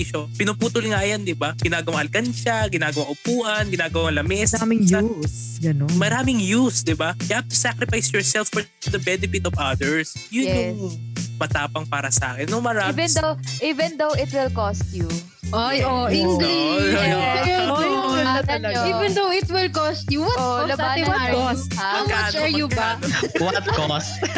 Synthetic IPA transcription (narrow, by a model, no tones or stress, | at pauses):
iʃopɪnʊpuːt̪ʊlŋajand̪ɪbaɡ̥ɪnaːɡɐwaŋɐlkɐnt͡ʃɐɡɪnaːɡɐwaŋʔʊpuːʔɐnɡɪnaːɡɐwaŋlɐmɛsamɪŋjɐs | ɡɐnonmɐɾaːmɪŋjusd̪ɪbajafʊ̥sakɾɪfajsjɔɹsɛlfːɔ | d̪ɐbɛnɛfɪt̪ɔvɐd̪ɛɹs | jʊnjjʊŋmɐt̪aːpɐŋpaːɾɐsa̰ːkɛnːomɐɾaːivɛ̃nd̪owʔivɛ̃nd̪owɪt̪wɪlkost̪ju | ajoʔiŋɡli | ɐaɐɐnɐivɛ̃nd̪owɪt̪wɪlkɔst̪juwɐlɐbawɐkosɐɐkant͡ʃɛɹjubawɐt̪̚kos